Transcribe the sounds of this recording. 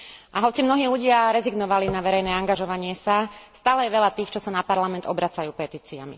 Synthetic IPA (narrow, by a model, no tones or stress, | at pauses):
ʔaɦɔt͡simnɔɦiːluɟɪaɾɛziɡnɔʋalinaʋɛɾɛjnɛːaŋɡaʒɔʋaɲɪɛsast̪aːlɛjɛʋɛʎat̪iːxt͡ʃɔsanapaɾlamɛnd̪ɔbɾat͡sajuːpɛt̪iːt͡sia̰mḭ